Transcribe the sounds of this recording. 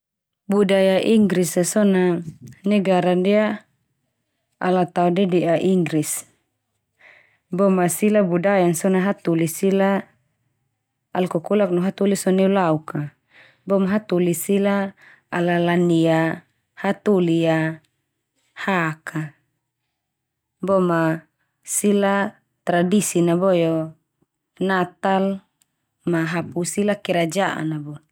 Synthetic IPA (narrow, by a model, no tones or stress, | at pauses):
budajaʔiŋɡɾisasɔnanɛɡaɾandia | alat̪audɛdiaʔiŋɡɾis | bɔmasilabudajansɔnaɦat̪ulisila | lkɔkulak̚nɔɦat̪ulisɔnɛulauka | bɔmaɦat̪ulisilaː | lalania | hat̪ulia | haka | bɔma | sila | t̪ɾadisinabɔjɔ | nat̪al | maɦapusilakɛɾad͡ʒaʔa̰nabɔ